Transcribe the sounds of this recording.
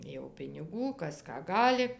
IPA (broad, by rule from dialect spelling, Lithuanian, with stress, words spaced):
jɛʊ pʲɪnʲɪˈɡuː ˈkɐs ˈkɑː ˈɡɑːlʲɪ